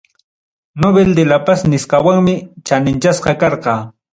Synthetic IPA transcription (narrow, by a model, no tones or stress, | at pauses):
nobeld̪elapasnɪsqɑwaŋmɪt͡ʃanɪnt͡ʃasqɑkɑɾqɑː